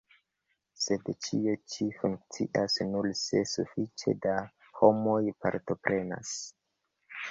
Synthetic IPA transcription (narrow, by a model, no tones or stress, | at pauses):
se̞dt͡ʃie̞t͡ʃifuŋkt͡sḭʔasnulse̞sṵfit͡ʃe̞̰da | homo̞jpaɾto̞pɾʔe̞na̰s